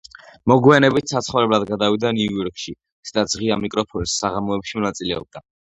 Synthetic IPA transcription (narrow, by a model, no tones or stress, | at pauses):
mɔɡwianɛbit̪ʰsat̪sʰχavɾɛblad̪ɡad̪avid̪aniujɔɾkʼʃi | sd̪ad̪z̥ʁiamikʼɾɔpʰɔnsːaʁamɔɛpʃimɔnat̪sʼilɛɔ̰b̚d̪a